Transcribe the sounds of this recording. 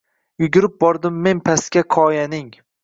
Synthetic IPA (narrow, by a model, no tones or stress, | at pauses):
jʊɡʲʊɾɪp̚bɒɾd̪ɪmːe̞npʰaskʲakʰɒjanɪŋ